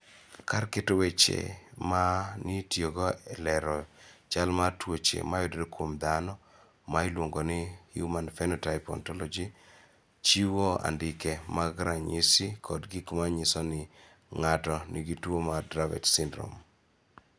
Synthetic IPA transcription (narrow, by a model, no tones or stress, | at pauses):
kaɾkɪtowet͡ʃḛmanitjoɡɔɛlɛɾɔt͡ʃalmatwot͡ʃḛmajodedokwomd̪anɔ | mailwoŋɡonɪhjumanfɛnɔtaɪpɔ̰ntɔlɔd͡ʒi | t͡ʃiwoa̰ndɪkɛmaɡɾaɲisikʰɔdɡikmaɲɪsɔnɪ | ŋatɔnɪɡitwomadɾavɛ̰tsɪndɾo̰m